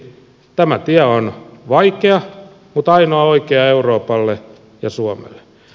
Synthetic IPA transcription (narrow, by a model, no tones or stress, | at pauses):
t̪æmæt̪iæonʋɑikeɑ | mut̪ɑinoɑoikeɑeuroːpɑlːe | jɑsuɑmḛlːe̥